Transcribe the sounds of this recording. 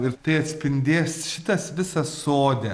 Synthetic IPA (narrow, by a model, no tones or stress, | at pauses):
ɪɾt̪ɐɪɐt̪ʲsʲpʲɪnʲd̪ʲeːsʃʲɪt̪ɐsʋʲɪsɐssoːd̪ʲɛ